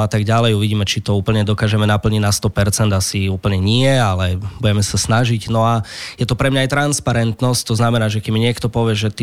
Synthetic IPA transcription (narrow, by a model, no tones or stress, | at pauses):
at̪aɡɟalɛjuʋiɟiːmɛt͡ʃit̪ɔuːpl̩ɲɛd̪ɔkaːʒɛmɛnapl̩ɲiɟnast̪ɔpɛɾt͡sɛnd̪asiuːpl̩ɲɛɲiɛalɛbujɛmɛsasnaʒiɟnɔajɛt̪ɔpɾɛmɲaːjt̪ɾanspaɾɛnt̪nɔsc̚t̪ɔznamɛnaːʒɛkɛmɲɪɛkt̪ɔpɔʋɪɛʒɛt̪i